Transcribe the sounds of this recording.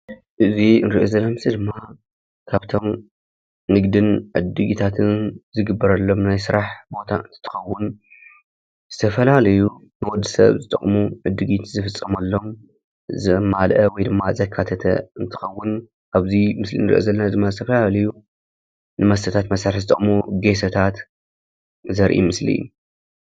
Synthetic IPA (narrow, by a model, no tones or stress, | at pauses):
ʔɨziɨnɾiʔozɐlːamɨsid̪ɨmːa | kʰaβt̪ʰo̞m | nɨɡd̪ɨnʕɨ̰d̪ɨɡit̪ʰat̪ʰɨnzɨɡɨbːɐɾɐlːo̞mnajsɨɾaħbo̞t̪ʰa̰ɨ̰nt̪ʰɨ̥t̪ʰɨ̥xɐwːʊn | z̥ɨt̪ʰɐfɐlalɐju | nɨwɔd̪ːisɐ̰βzɨt̪ʼɐ̰χʼmuʕɨd̪ːɨɡit̪zɨfɨt͡sʼːɐmɐlːo̞m | zɐmalʔɐwɔjd̪ɨmːazɐkʰːat̪ʰɐt̪ʰɐ̰ɨnt̪ʰɨ̥xɐwːʊn | ʔaβzimɨslḭnɨɾʔezɐlːɐnazɨmːazɨt̪ʰɐfɐlalɐju | nɨmɐst̪ʰɐt̪ʰat̪mɐsaɾħzɨt̪ʼɐ̰χʼmuɡe̞sɐt̪ʰat̪ | zɐɾʔḭmɨslḭṵ